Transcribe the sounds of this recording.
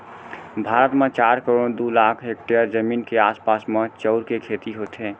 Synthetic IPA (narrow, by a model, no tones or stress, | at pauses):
bʱaɾət̪mẽt͡ʃaːɾkəɾoɽd̪ulakʰɦekʈeəɾd͡ʒəmiːnkeaːspaːsmet͡ʃəʊɾkekʰet̪iɦot̪ɦẽ